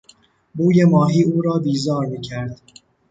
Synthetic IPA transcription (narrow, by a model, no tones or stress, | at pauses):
buːje̞mɒːɦiːuːɾɒːbiːzɒːɾmiːcʰæɾd̪̥